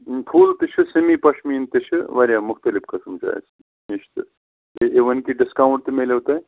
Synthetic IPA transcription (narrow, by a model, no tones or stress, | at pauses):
pʰuːlt̪ɨʃʰɨsɐmipɐʂʰmiːnt̪ɨʃʰɨʋɐɾʲjamʊxt̪ɐlifkɐsɨmd͡ʒa̰ːj̰t͡s | iʃt̪ɨ̰ | eʔeʋɐnkiɖiskawɳʈ̚t̪ɨmelewt̪aj